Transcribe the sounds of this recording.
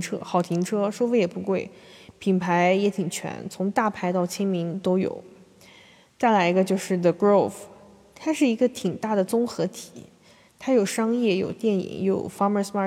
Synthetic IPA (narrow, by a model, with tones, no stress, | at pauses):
ʈ͡ʂʰɤ̰˥xɑ˨˩ʊt̪ʰi˧˥ŋʈ͡ʂʰɤ˥ʂo˥fe˧˥ɪjɛ˨˩pu˧˥kwe˥˩ɪpʰi˨˩npʰa˧˥ɪjɛ˧˥t̪ʰi˨˩ŋt͡ɕʰɥɛ̰˧˥nt͡sʰʊ˧˥ŋt̪a˥˩pʰa˧˥ɪt̪ɑ˥˩ʊt͡ɕʰjɛ˥nmi˧˥ŋt̪o˥ʊjo̰˨˩˦ʊ | t͡sa˥˩ɪla˧˥ɪi˧˥ɡə˧t͡ɕjo˥˧ʊʂɻ̩˥˩ðə˩ɡɹo˥˩f | t̪ʰa˥ʂɻ̩˥˩i˧˥ɡə˧t̪ʰi˨˩ŋt̪a˥˩d̪ə˩t͡sʊ˥ŋxɤ˧˥t̪ʰi̥˨˩˦ | t̪ʰa˥jo˨˩ʊʂɑ˥ŋjɛ˥˩jo̰˨˩ʊt̪jɛ˥˩nḭ˨˩˦ŋjo̰˨˩ʊfɑ˥mə˧˥smɑ˥˩